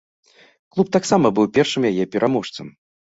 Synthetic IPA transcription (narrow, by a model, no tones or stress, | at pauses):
klˠup̚t̪aksamɐbɨwpʲɛrʂɨmjajɛpʲɛɾʔamɔʂt̪sɐm